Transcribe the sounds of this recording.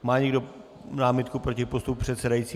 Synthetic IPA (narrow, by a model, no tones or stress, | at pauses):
maːɲɛɡdo | naːmɪt̪kupɾo̞cɪpo̞st̪up̚pr̥ɛt̪sɛdajit͡siː